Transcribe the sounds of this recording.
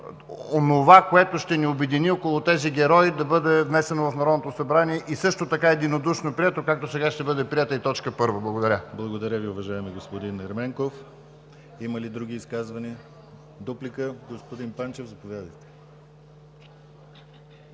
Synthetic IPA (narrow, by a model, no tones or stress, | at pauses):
onovakoɛt̪oʃt̪ɛniobɛd̪iniɔkolˠot̪ɛziɡʲɛɾɔjid̪ɐbɤd̪ɛvnɛsɛnovɐfnɐɾɔd̪not̪osɐbɾaniɛʔisɤʃt̪ot̪ɐkaɛd̪inod̪uʃnopɾiɛt̪okak̚t̪osɛɡaʃt̪ɛbɤd̪ɛpɾiɛt̪əit̪ɔt͡ʃkəpɤɾvəblˠɐɡod̪ɐɾʲəblˠɐɡod̪ɐɾʲəviʊvɐʒaɛmiɡospod̪inɛɾmɛŋkof | iməlid̪ɾuɡ̟iːskazvɐniə | d̪oplikəɡospod̪inpant͡ʃɛvzɐpovjad̪əjt̪ɛ̥